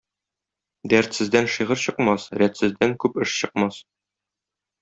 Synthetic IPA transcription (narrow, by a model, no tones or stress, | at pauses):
d̪æɾt̪sɘ̆zd̪ænʃiʁɤɾɕɤ̆qmɑsɾæt̪sɘ̆zd̪æŋkʉpɘʃɕɤ̆qmɑs